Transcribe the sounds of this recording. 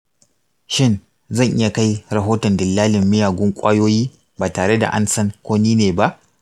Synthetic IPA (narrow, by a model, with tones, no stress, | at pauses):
ʃɪ˦˨n | zɐ˦˨ŋʔɪ˦ja˨ka˦jɾɐ˨ɦoː˦tɔ˨ndɪ˨lːaː˦lɪ˨mːɪ˦jaː˨ɡʷʊ˦ŋkʷʼaː˦joː˦jiː˦ | baː˨taː˨ɽe˦da̰˨ʔa̰˦nsɐ˦ŋkʷoː˦niː˦neː˨ba˦ʔ